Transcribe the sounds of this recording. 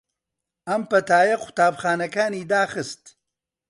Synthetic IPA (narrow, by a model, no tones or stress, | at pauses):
ʔɐmpɐt̪aːjɐqʰʊ̥t̪aːbχaːnɐkaːniːd̪aːxɨst̪